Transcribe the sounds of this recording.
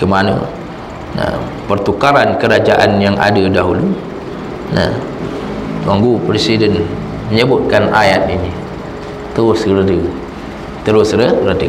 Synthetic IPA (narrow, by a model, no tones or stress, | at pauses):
kəmanə̰ | na̰ | pərt̪ukaɾankəɾad͡ʒaʔanjaŋa̰dədaɦulu | na̰ | twaŋɡupɾesidən | məɲəbʊt̪̚kana̰jat̪̚ini | t̪əɾʊskəɾədə | t̪əɾʊsɾərədə